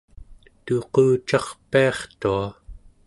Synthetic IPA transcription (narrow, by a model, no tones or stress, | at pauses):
t̪oquːt͡ʃɑχpiɑχt̪ua